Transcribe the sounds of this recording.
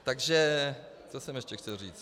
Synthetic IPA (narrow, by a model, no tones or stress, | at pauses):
t̪aɡʒɛ | t͡sosɛmjɛʃcɛxcɛlriːt͡s